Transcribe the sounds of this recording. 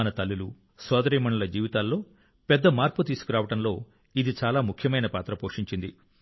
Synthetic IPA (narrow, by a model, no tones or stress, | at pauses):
ɐnɐt̪ɐlːulu | sɔːd̪ɐɾiːmɐɳulɐd͡ʒiːʋit̪aːlːo̞ː | pɛd̪ːɐmaːɾput̪iːsu̥kuɾaːʋɐʈɐmlo̞ː | id̪it͡ʃaːlaːmukʰjɐmɐjnɐpaːt̪ɾɐpoːʂiɲt͡ʃind̪i